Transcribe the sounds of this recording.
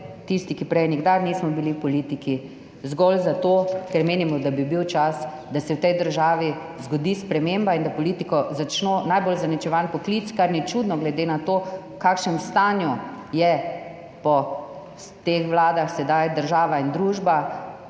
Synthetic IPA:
t̪ist̪ikipɾɛjniɡd̪aɾnismɔbiliwpɔliːt̪iki | zɡɔlzat̪okɛɾmeːnimɔd̪abibiwt͡ʃas | d̪asɛwt̪ɛjd̪əɾʒaːʋi | zɡɔd̪ispɾɛmembaind̪apɔlit̪ikɔzat͡ʃnonajbolzanit͡ʃɛʋanpɔklit̪t͡s̪kaɾnit͡ʃud̪nɔɡlɛd̪enat̪oː | kaːkʃnɛmst̪aːnjujɛ | pɔ | t̪exʋlaːd̪axsɛd̪ajd̪əɾʒaːʋaind̪ɾuːʒba

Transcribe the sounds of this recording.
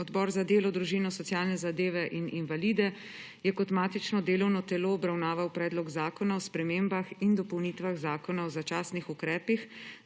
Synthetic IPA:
ɔd̪bɔːɾzad̪eːlɔd̪ɾuʒiːnɔsɔt̪sjaːlnɛzad̪eːʋɛʔininvaliːd̪ɛ | jɛkɔt̪maːt̪it͡ʃnɔd̪eːlɔwnɔt̪ɛloːbɾawnaːʋawpɾɛːd̪lɔɡzaːkɔnaɔspɾɛmeːmbaxind̪ɔpɔwniːt̪ʋaɣzaːkɔnaɔzat͡ʃaːsnixukɾɛːpix

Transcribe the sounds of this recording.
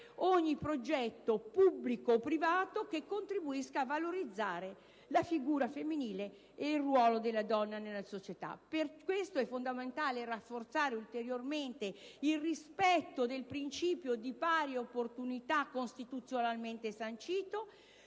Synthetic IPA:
ɔɲːipɾod͡ʒɛt̪ːopubːlikoːpɾivaːt̪okekːont̪ɾibuiskaːvaloɾid̪zːaːɾe | lafiɡuːɾafemːiniːle | eilrwɔːlod̪elːad̪ɔnːanelːasot͡ʃet̪a̰perkwest̪oɛfːond̪ament̪aːlerafːort̪saːɾeult̪eɾjorment̪eilrispɛt̪ːod̪elpɾint͡ʃiːpjod̪ipaːɾjeopːort̪unit̪akːonst̪it̪ut̪sjonalment̪esant͡ʃiːt̪o

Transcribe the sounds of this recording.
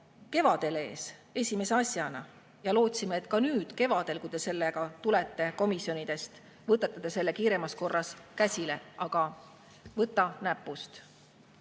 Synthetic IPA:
ke̞vɑd̪̥e̞le̞̰ːse̞sʲime̞se̞ɑsʲjɑnɑ | jɑlo̞ːt̪simeːt̪ːˑkɑnyːd̪̥ke̞vɑd̪̥e̞lkujd̪e̞se̞lːeɡ̥ɑt̪ule̞t̪ːe̞ko̞misjo̞nid̪̥e̞st̪ | vɤt̪et̪ːˑɑd̪̥ese̞lːe̞kiːɾe̞mɑsko̞rːɑskæsʲile̞ʔɑɡ̥ɑ | vɤt̪ːˑɑnæpːˑust̪

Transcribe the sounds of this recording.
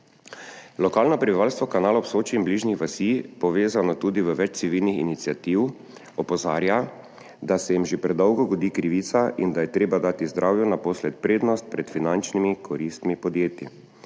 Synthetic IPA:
lɔkaːlnɔpɾɛbiʋaːlst̪ʋɔkanaːlɔpsoːt͡ʃiːmbliːʒnixʋasipɔʋeːzanɔt̪uːd̪iʋəʋɛt͡ʃt̪siʋilnixḭnit̪siat̪iw | ɔpɔzaːɾja | d̪asɛjimʒepɾɛd̪ɔwɡɔɡɔd̪ikɾiʋiːt̪saʔind̪ajɛt̪ɾeːbad̪aːt̪izd̪ɾʔaːwjunapɔslɛt̪̚pɾeːd̪nɔst̪̚pɾɛt̪finant͡ʃnimikʰɔɾist̪mipɔd̪jeːt̪i

